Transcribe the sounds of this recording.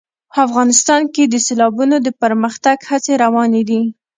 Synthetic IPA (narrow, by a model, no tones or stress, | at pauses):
pəafɣɑnɪst̪ɑnked̪əselɑbunod̪əpəɾməxt̪aɡhat͡seɾawɑned̪i